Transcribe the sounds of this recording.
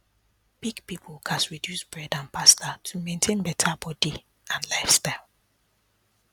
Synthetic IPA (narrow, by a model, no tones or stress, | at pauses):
b̥iɡpipʰl̩kʰasɹidjusb̥ɹɛdãnpʰastʰatʰumẽntʰẽnbɛtʰabɔdi | ãnlaɪfstaɪlˠ